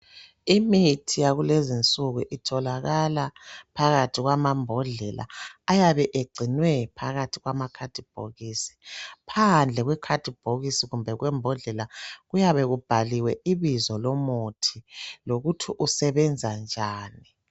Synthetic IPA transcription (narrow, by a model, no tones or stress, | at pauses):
imitʰijaɣulezint͡sʼuɣuʔitʰɔlaɣalapʰaɣatʰiɣwamambʱɔɮɛlʔa̰ːjaβɛʔeɡ͡ǀʱinwɛpʰaɣatʰiɣwamakʰad̥ʱib̥ʱo̰ɣisi̥pʰand͡ɮʱɛɣwɛkʰad̥ʱib̥ʱoɣisiɣumbʱɛɣwɛmbʱɔɮɛlaɣujaβɛɣub̥ʱaliwɛʔiβizɔlomutʰiloɣutʰiʔusɛβɛnd͡zʱand͡ʒʱaːni